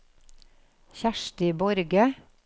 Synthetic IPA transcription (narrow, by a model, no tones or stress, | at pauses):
çæʃʈɪbɔɾɡə